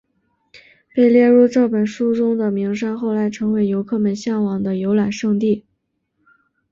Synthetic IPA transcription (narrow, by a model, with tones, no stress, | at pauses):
pe˥˧ɪljɛ˥˧ɻu˥˧ʈ͡ʂɤ˥˩pə˨˩nʂu˥ʈ͡ʂʊ˥ŋd̪ə˨mi˧˥ŋʂa˥nxo˥˩ʊla˧˥ɪʈ͡ʂʰɤ˧˥ŋwe˧˥ɪjo˧˥ʊkʰɤ˥˩mə˨˧˩nɕjɑ˥˩ŋwɑ˨˩ŋd̪ə˧jo˧˥ʊla˨˩nʂɤ˥˧ŋt̪i˥˩